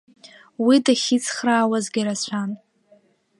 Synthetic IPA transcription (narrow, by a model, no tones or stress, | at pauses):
widaχʲit͡sʰχraːwazɡʲiɾat͡ɕʷʰan